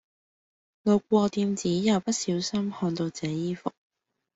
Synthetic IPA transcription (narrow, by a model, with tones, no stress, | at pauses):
lo˨˧wk̚ʷɔː˧t̪iː˧mt͡siː˨˥jɐ˨˩wpɐ˥t̚siː˨˥wsɐ˥mhɔː˧nt̪o˧wt͡sɛː˨˥jiː˥fʊ˨k̚